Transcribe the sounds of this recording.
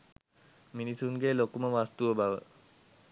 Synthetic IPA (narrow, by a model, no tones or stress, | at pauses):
minisuŋɡeːlokuməʋast̪uʋəbaʋə̰